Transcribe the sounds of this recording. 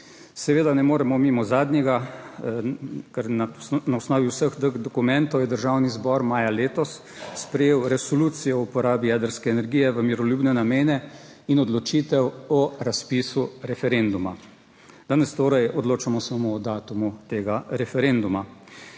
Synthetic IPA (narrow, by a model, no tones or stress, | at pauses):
sɛʋeːd̪anɛmoːɾɛmɔmimɔzaːd̪nʲɛɡa | kɛɾnnawsnɔːʋiwsəɣd̪əɣd̪ɔkumɛ̃nt̪ɔwjɛd̪əɾʒaːwnizbɔɾmaːjaleːt̪ɔsː | pɾɛjeːwɾɛsɔluːt̪sijɔɔupɔɾaːbijɛd̪əɾskɛːnɛɾɡiːjɛʋəmiɾɔluːbnɛnameːnɛ | inɔd̪lɔt͡ʃiːt̪ɛwɔɾaspisuɾɛfɛɾend̪uma̰ | d̪̥aːnɛst̪oːɾɛjɔd̪loːt͡ʃamɔsamoːd̪aːt̪umut̪eːɡaɾɛfɛɾend̪uma